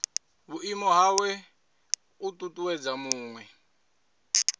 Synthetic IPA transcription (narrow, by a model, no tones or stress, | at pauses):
βuimɔɦawɛ | utʼutʼuwɛd͡zamuːŋwɛ